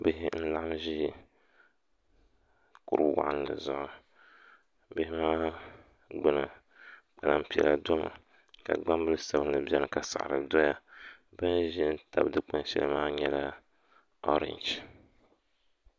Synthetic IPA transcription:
bɪ˦ɦɪ˦n̩˦la˦ʔa˦ʒi˦ | ku˦ɾɨ̰˦wa̰˦ʔa˦n˦lɨ̰˨zʊ˨ʔʊ˨ | bɪ˦hɪ˦maː˦ | ɡ͡bɨ˦nɨ˨ | k͡pa˨la˦m̩˦pi˨ɛ̰˨la̰˨dɔ˦ma̰˨ | ka̰˨ɡ͡ba˦mbɨ˦lɨ˦sa˨bɨ˦n˦nɨ˨bi˦ɛ˦nɨ˦˨ka˨sa̰˨ʔɾɨ˨dɔ˦ja˦ | bɨ˦nʒɪ˦n̩˦ta˨bdɨ˦k͡pa˦n˦ʃɛ̰˦lɨ˦maː˦ɲɛ˦la˦ | o˦ɾɪ̰˦nd͡ʒ

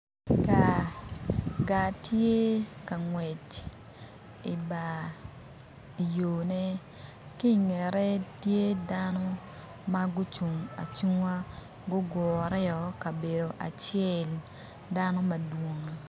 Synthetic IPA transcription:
ka˨ | ɡa˨tʰje˦ka˨ŋwɛ˨t͡ʃ | i˨ba˨ | i˨jo˨ne˦ | ki˦ŋɛ˨ɾɛ˦tje˦da˦nɔ˦ | ma˦ɡʊ˦t͡ʃu˨ŋa̰˨t͡ʃu˦ŋa˦ | ɡʊ˦ɡɔ˨ɾɛ˦ɔ˦ka˨be˨do˨ʔa̰˨t͡ʃɪɛ˦˨l | da˦nɔ˦ma˨dwo˨ŋ

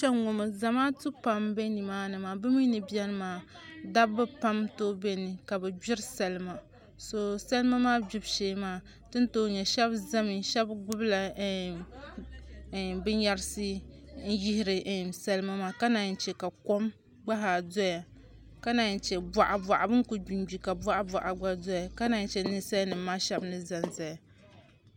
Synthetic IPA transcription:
ʃɛ˦ŋʊ˨mɨ˨za˨maː˦tɨ˦pa˦mbɛ˦ni˨maː˦nɨ˨maː˨bɨ˦mi˦nɨ˨bi˦ɛ˦n˦maː˨da˦bbɨ˦pa˦mtoː˦bɛ˦nɨ˨ka˨bɛ˨d͡ʒɪ˦ɾsɛ˨lɨ˦ma˨ | so˨sa˦lɨ˦ma˦maː˦bi˦bʃeː˦maː˦˨ | tɨ˦n˦toː˦ɲɛ˨ʃɛ˦bza˦mi˨ʃɛ˦bɡʊ˦bla˨˦˨ | bɨ˦ɲja˦ɾsɨ˦n̩˦ji˦hɪ˦ɾɨ˨˦sa˦lɨ˦ma˦maː˦ka˦na˨t͡ʃɛ˨ka˨ko˦m | ɡ͡ba˦ɦa˨zɔ˦ja˨ | ka˦na˨t͡ʃɛ˨ba˨ʔa˨ba˨ʔa˨bɨ˦ŋ˦ku˨d͡ʒu˨nbi˨ka˨ba˦ʔa˦ba˨ʔa˨ɡ͡ba˦zɔ˦ja˨ka˦na˨t͡ʃɛ˨nɨ˦sa˦jnɨ˨mː˦aː˦ʃɛ˦bnɨ˦za˨nza˨ja˨

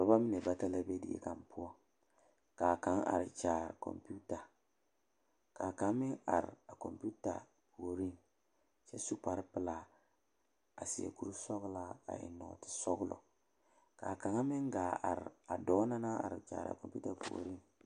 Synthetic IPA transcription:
ɾba˦mi˦ne˨ba˦ta˦la˦be˦dɪ̰˦ḛ˦ka˨mpʰʊ˦ɔ˦ | kaː˨ka˨˦ŋa̰˨ɾɪ˨t͡ʃaː˨ɾ̰ko̰˨mpu˦ta˨ | ka˨ka˨˦mɪ˦ŋa̰˨ɾɪ̰˨a˨ko˨mpu˦ta̰˨ | po˨ɾi˦n | t͡ʃɛ˦su˦pa˨ɾɪ˦pɪ˨la˨ | a˨si˨ḛ˨ku˦ɾu˦sɔ˦ɣla˦a̰˨ʔɪ̰˨nɔ̰˨tɪ̥˨sɔ˦ɡʊ˦lɔ̰˨ | kaː˨ka˨ŋa˦mɪ˦ŋɡaː˨a̰˨ɾɪ̰˨a˨dɔː˨˦na˦na˦a̰˨ɾɪ˨t͡ʃa̰ː˨ɾa̰˨ko˨mpu˦ta˨po̰˨ɾi˦n

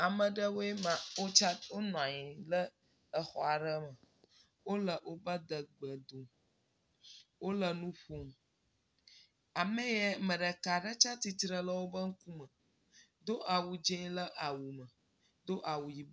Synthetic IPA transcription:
a˨mə̃˨ɖə˦wo˦ɛ˦mã˨wo˦t͡ʃa˦wo˦nɔ̃˨a˨ɲĩ˨lə˦ | ə˦xɔ˨a˨ɖə˦mə˨ | wo˦lə˨wo˦bə˦d̪ə˨ɡ͡bə˨d̪o˨ | wo˦lə˨nũ˦ɸo˦m | a˨mə̃˦jɛ˦mə̃˨ɖə˨ka˨ɖə˦t͡ʃa˦t̪i˦t̪ɾə˦lə˦wo˦bə˦ŋ̩˦ku˦mə˨ | d̪o˦ʔa˨wu˨d͡ʒɛ̃˦lə˦ʔa˨wu˨mə̃˨ | d̪o˦ʔa˨wu˨ji˨b

